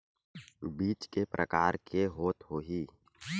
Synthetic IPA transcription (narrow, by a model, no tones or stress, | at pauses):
biːt͡ʃkepɾʔə̰kaːɾkʰeɦoːt̪ɦoːɦiː